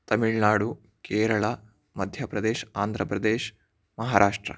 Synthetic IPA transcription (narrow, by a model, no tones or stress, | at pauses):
t̪ɐmiɭnaːɽu | keːɾɐɭa | mɐd̪ʱjɐpɾɐd̪eːʃaːnd̪ʱɾɐpɾɐd̪eːʃ | mɐɦaːɾʔaːʂʈɾɐ̰